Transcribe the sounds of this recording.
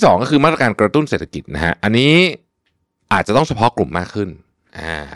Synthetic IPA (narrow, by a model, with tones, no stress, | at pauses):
sɔː˩˦ŋkɔː˥˩kʰɯː˧ma˥˩ɾa˧aː˧nkɾa˧t̪u˥˩nseː˨˩t̪ʰːḁ˧ki˨˩na˦kʰa̰˦˥ʔa˧nːiː˦˥ | ʔaː˨˩t̪̚t͡ɕa˨˩t̪ɔ˥˩ŋt͡ɕʰa˧pʰɔ˦˥klu˨˩mːaː˥˩kʰːɯ˥˩n | ʔa̰ː˧˩